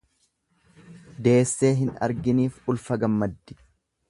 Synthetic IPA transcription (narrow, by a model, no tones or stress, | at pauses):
d̪e̞ːsːe̞ːɦɪnɐ̰ɾɡɪniːfʊlfɐɡɐmːɐd̪ːɪ̥